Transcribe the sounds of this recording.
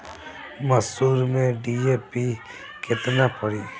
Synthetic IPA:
məsuːɾmẽɖiːeːpi | kɪt̪napəɽiː

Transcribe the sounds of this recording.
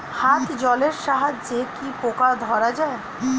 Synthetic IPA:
hat̪d͡ʑɔleɾʃaɦad͡ʑd͡ʑekipokad̪ʱɔɾad͡ʑae

